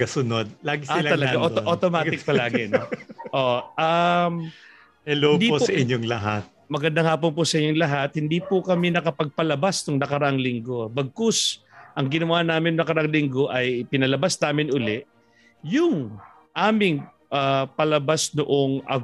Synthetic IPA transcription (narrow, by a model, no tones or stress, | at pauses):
ɡɐsʊnod̪̚laːɡɪalt̪ɐlɐɡaʔoʔot̪omaːɪk̚pɐlaːɡɪnoʔoʔam | hɛlod̪iposɐʔɪɲːoŋlɐɦat̪̚mɐɡɐnd̪aŋhaːp̬onpʊsɐʔɪɲːoŋlɐɦat̪̚hɪnd̪iːpʊkɐmɛnɐkɐpɐɡ̚pɐlɐbast̪ʊŋnɐkɐɾɐʔaŋlɪŋɡo̞bɐɡ̚kos | ʔɐŋɡɪnɐwaːnaːmɪnnɐkɐɾɐaʔaŋlɪŋɡo̞ʔɐjɪpɪnɐlɐbasnaːmɪnʊlɛʔ | jʊŋ | ʔaːmɪŋ | ʔapɐlɐbasnʊʔoŋʔɐ̰